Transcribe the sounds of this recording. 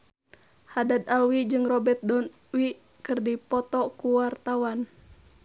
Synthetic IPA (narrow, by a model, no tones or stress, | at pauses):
hadad̪alwid͡ʒɨŋrɔbɛrt̪̚dɔn | wiʔ | kɨrdipɔt̪ɔkuwart̪awan